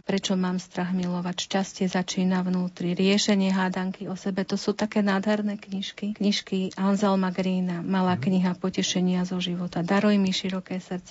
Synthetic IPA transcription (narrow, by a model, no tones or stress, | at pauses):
pɾɛt͡ʃɔmaːmst̪ɾaɣmilɔʋacʃt͡ʃascɛzat͡ʃiːnavnuːt̪ɾiɾɪɛʃɛɲɪɛɦaːd̪aŋkiɔsɛbɛt̪ɔsuːt̪akɛːnaːd̪ɦɛɾnɛːkɲiʃkikɲiʃkiʔanzɛlmaɡɾiːnamalaːkɲiɦapɔcɛʃɛɲɪazɔʒiʋɔt̪ad̪aɾɔjmiʃiɾɔkɛːsrt̪t͡sɛ